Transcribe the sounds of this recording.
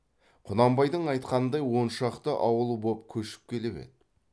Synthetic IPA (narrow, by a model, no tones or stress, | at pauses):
qʰʊnɑmbɑjd̪əɴɑjt̪qɑnənd̪ɑjwo̞nʃɑqt̪əʔɑwəlˠbop̚kʲʰɵʃɪ̥p̚kʲʰe̞lebḛt̪